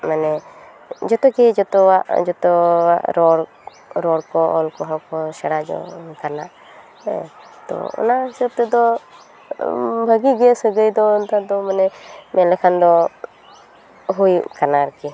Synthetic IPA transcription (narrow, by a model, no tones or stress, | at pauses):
manɛ | d͡ʒɔt̪ɔkɛd͡ʒɔt̪ɔwaʔd͡ʒɔt̪ɔwaʔɾɔɽ | ɾɔɽkɔʔɔlkɔɦɔ̃kɔsɛɽad͡ʒɔ̰kana̰ʔ | t̪ɔ̰ɔ̰nasəb̚t̪əd̪ɔ | bʱəɡiɡɛsəɡəjd̪ɔɔnt̪ad̪ɔmanɛmɛlɛkʰand̪ɔ | ɦujkanaɾəki